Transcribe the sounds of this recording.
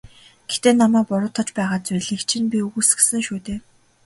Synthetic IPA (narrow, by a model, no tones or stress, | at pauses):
ɡ̥et̪eːnamæːpʊɾʊːt̪ʰɔ̆t͡ɕpæːʁaːt͡sʊjɮikt͡ɕʰĭnpʲiuɣuːs̆xsɘ̆ŋʃuːt̪eː